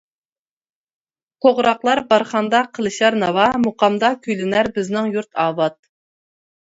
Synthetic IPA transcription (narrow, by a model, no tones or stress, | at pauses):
t̪ʰoʁɾɑqlˠɑɾbɑɾχɑnd̪ɑqʰəlˠɨʃɑɾnɑwɑmoqɑmd̪ɑkʲʰyjlɪnæɾbɪznɪŋjuɾt̪ʰɑːbɑt̪̚